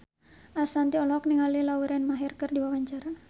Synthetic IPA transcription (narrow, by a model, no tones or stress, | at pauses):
ʔasant̪iɔlɔk̚niŋalilawiɾɛnmaɦirkɨrdiwawaɲt͡ʃaɾa